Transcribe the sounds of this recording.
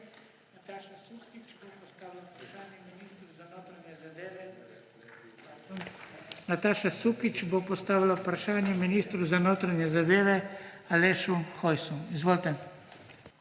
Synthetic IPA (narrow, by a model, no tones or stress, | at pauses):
t̪aʃasukit͡ʃbopɔst̪aːʋilapɾaʃaːnjɛminiːst̪ɾuzanoːt̪ɾanʲjɛzad̪eːʋɛ | nat̪aːʃasuːkit͡ʃbopɔst̪aːʋilapɾaʃaːnjɛminiːst̪ɾuzanoːt̪ɾanjɛzad̪eːʋɛ | aleːʃuxɔjsuizʋoːlt̪ɛ